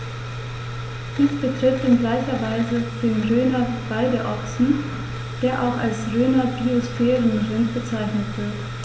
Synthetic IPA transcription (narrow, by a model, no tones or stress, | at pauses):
d̥iːsb̥ətʁ̥ɪftɪnɡlaɪçɐvaɪzəd̥eːnʁøːnɐb̥aɪdəʔɔksn̩ | d̥eːɐʔa̰ʊxa̰lsʁøːnɐbiosfɛːʁənʁɪntb̥ət͡saɪçnətv̥ɪɐt